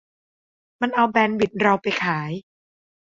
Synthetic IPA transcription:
ma˧nʔa˧wbɛː˧nwi˨˩t̪̚ɾa˧wpa˧jkʰaː˩˦j

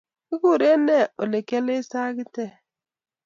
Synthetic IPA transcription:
i˦ɡu˦˨ɾe˦ne˦˨o˨le˨ke˦lɪ˦sa˦ɡɪ˦te˦˨

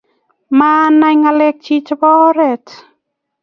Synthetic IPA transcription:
ma˧na˧jŋa˧le˧k̚t͡ʃʰi˧t͡ʃbɔ˦ɾet

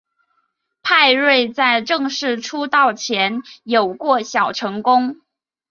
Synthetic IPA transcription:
pʰa˥˧ɪɻwe˥˧ɪt͡sa˥˧ɪʈ͡ʂɤ˥˧ŋʂɻ̩˥˩ʈ͡ʂʰu˥t̪ɑ˥˩ʊt͡ɕʰjɛ˧˥njo˨˩ʊkwɔ˥˩ɕjɑ˨˩ʊʈ͡ʂʰɤ˧˥ŋkʊ˥ŋ

